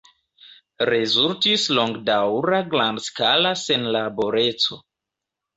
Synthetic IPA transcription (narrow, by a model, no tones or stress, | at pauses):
ɾe̞zultislo̞ŋɡdawɾaɡlandskalase̞nlabo̞ɾe̞t͡so̞